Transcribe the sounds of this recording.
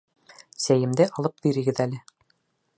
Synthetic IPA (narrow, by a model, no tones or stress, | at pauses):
sæjɘ̆md̪ɘʔɑlˠɤp̚biɾɘ̆ɡɘðælɘ